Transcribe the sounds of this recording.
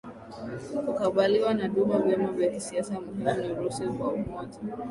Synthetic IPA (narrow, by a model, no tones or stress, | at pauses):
kukaɓaliwanaɗumavjamavjakisiasamuhimuniɾusɛkwaumɔʄa